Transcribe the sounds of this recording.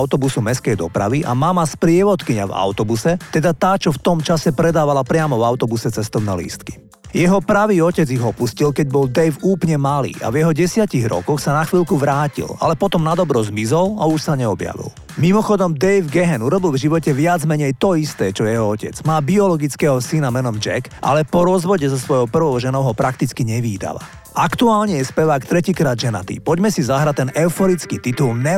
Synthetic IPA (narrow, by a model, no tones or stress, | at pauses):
aʊt̪ɔbusumɛskɛjd̪ɔpɾa̰ʋiʔa̰mamaspɾɪɛʋɔt̪kiɲa̰va̰ʊt̪ɔbusɛt̪ɛd̪at̪aːt͡ʃɔft̪ɔmt͡ʃasɛpɾɛd̪aːʋalapɾɪamɔvaʊt̪ɔbusɛt͡sɛst̪ɔʊnɛ̰ːlḭːst̪ki̥ | jɛɦɔpɾaʋiːɔcɛd͡ziɣɔpuscilkɛɟbɔld̪ɛjfuːplɲɛmalḭːʔa̰vjɛɦɔɟɛsɪaciɣɾɔ̰kɔxsanaxʋiːlkuʋɾaːcḭla̰lɛpɔt̪ɔmnad̪ɔbɾɔzmizɔla̰uʃsaɲɛɔbja̰ʋḭl | mimɔxɔd̪ɔmd̪ɛjvɡɛɦɛnuɾɔbilˠvʒiʋɔcɛʋɪad͡zmɛɲɛjt̪ɔist̪ɛːt͡ʃɔjɛɦɔɔcɛ̰d͡zmaːbiɔlɔɡit͡skɛɦɔsinamɛnɔmd͡ʒɛ̰kʔa̰lɛpɔɾɔzʋɔɟɛzɔsʋɔjɔpr̩ʋɔʊʒɛnɔʊɦɔpɾʔakt̪it͡skiɲɛʋiːd̪a̰ʋa̰ | akt̪uaːlɲɛjɛspɛʋaːkt̪ɾɛciːkɾaːd̪d͡ʒɛna̰t̪ḭpɔɟmɛsizaɦɾat̪ːɛnʔɛʊfɔɾit͡skiːt̪it̪ulnɛ